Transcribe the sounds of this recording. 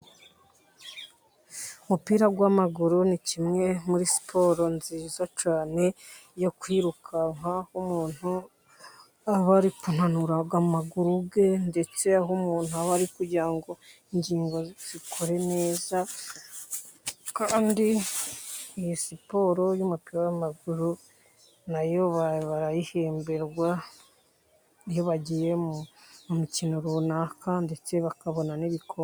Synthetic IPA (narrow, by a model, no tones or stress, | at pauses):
umupiːɾaɡwamaɡuɾunicimŋe̞muɾisi̥pʰo̞ːɾo̞nziːzot͡ʃaːne̞jo̞kwiːɾukʰaŋ̥hahumuːn̥hu | aβaɾikun̥hanuɾaɡamaɡuɾuɡe̞nde̞t͡se̞aɦumuːnhuaβaɾikuɾɟiɾaŋɡo̞iɲɟiːŋɡo̞z̥ikʰo̞ɾe̞ne̞ːza | kaːndi | ijisipo̞ːɾo̞jumupiɾajamaɡuɾu | najoβaβaɾajihe̞ːmbe̞ɾɡwa | ijoβaɟije̞muumucinoɾunakʰande̞t͡se̞βakaβo̞naniβikʰo